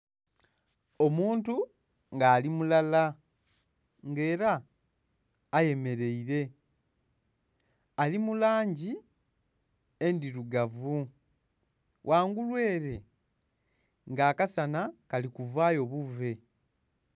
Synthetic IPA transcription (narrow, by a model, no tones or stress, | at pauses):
o̞muːntu | ŋɡaːlimulala | ŋɡe̞ːɾa | je̞me̞ɾe̞iɾe̞ | alimulaːɲɟi | e̞ndiɾuɡavu | wʔaːŋɡulwe̞ːɾe̞ | ŋɡaːkasanakalikuvaːjo̞ːβuve̞